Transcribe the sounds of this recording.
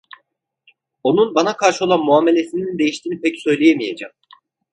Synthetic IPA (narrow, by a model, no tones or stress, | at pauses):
o̞nunbanakʰaɾʃɯo̞lˠanmuaːme̞lʲe̞sinind̪e̞jiʃt̪ʰiːnipʰɛcsø̞jlʲejemijed͡ʒam